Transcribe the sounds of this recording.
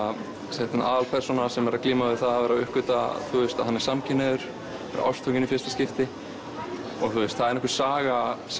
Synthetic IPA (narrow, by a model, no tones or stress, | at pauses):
sɛt̪na̰ːðalpʰɛr̥sɔnasɛmɛɾakliːmavɪθaðavɛːɾaʏhkʏt̪aθuɪst̪a̰ðɦhanːɛɾ̥samcʰɪnɛðʏɾ̥ | ɛ̰ːɾa̰ʔa̰wst̪ʰɔwcɪnɪfjɪst̪ascɪft̪ɪ | ɔɣθuɪst̪θaðɛɾnɔhkʏɾ̥saːɣas